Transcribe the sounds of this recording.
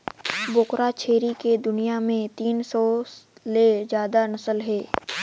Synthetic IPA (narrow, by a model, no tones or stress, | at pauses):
bʊkɾat͡ʃʰeːɾiked̪ʊnijamẽt̪iːnsɔːlezjaːd̪anɐsəlɦɛː